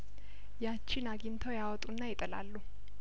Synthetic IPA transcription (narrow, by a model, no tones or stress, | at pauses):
jat͡ʃːɪnaɡɪnt̪ʰəwjawɔt̪ʼunːajɪt̪ʼəla̰lːu